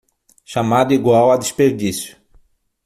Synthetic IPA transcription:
ʃamad̪ʊiɡwawad̪espeɾd̪isjʊ̥

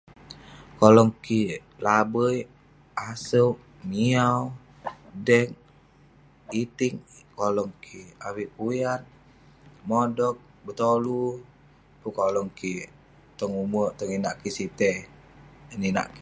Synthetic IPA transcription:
kolɔŋki | labəj | asəʔ | miaw | dɛŋ | it̪iŋkolɔŋkʰiawiʔpujan | modɔk̚ | bət̪olu | pukolɔŋki | t̪ɔŋumut̪ɔŋinaʔkisit̪ɛ | nina̰ʔk

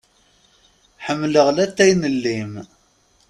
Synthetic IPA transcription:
ħəmːləʁlæt̪ːæjnəlːim

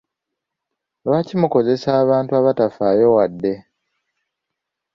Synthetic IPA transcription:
βacimuko̞ze̞saːβaːntuaβatafaːjo̞wadːe̞

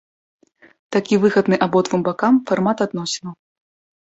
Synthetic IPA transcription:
t̪akʲivɨɣɐd̪nɨʔabɔt̪vɨmbakamfarmat̪ad̪nɔsʲinɐw

